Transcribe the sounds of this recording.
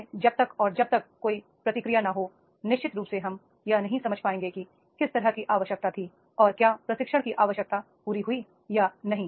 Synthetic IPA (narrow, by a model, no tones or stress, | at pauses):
d͡ʒɐb̚t̪ɐkɔːɾd͡ʒɐb̚t̪ɐkːoːi | pɾɐt̪ɪkɾijanɐɦo | nɪʃt͡ʃɪt̪ɾuːpseɦɐm | janɐɦĩsɐməd͡ʒʱpaːẽːŋɡeki | kɪst̪ɐɾəɦkiʔaːʋəʃjək̚t̪at̪ʰi | ɔːɾkjaːpɾɐsɪkʃəɽ̃kiʔaːʋəʃjək̚t̪a | puːɾiɦʊi | janɐɦĩ